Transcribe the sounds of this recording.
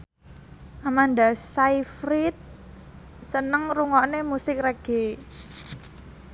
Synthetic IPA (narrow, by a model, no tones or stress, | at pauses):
ʔamand̪asaifɾit̪̚ | sənəŋruŋɔʔnemusɪk̚rɛɡ̥e